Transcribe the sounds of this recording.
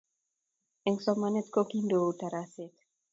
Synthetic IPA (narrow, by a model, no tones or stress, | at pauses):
ɛŋsɔmanet̪kokindoutaɾasek